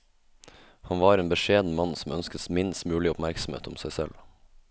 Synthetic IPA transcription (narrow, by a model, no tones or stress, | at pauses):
hɑnʋɑːɾeːnbəʃeːd̪n̩mɑn̩sɔm̩œnskəsmɪnst̪mʉːlɪʊpmæɾksm̩hḛːt̪ʊmsæɪsɛ̰l